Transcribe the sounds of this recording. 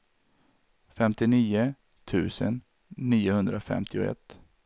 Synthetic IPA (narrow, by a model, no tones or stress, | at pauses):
fɛmt̪ɪniːʊ | t̪ʰʉ̟ːsə̰nː | iːʊhɵnd̪ɾafɛ̰mt̪ʰɪʊɛ̰t̪ː